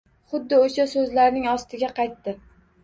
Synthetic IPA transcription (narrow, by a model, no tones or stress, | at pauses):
χʊd̪ːɪoʃasɵzlaɾnɪŋɒst̪ʰɪɡʲaqʰɑjt̪ːɪ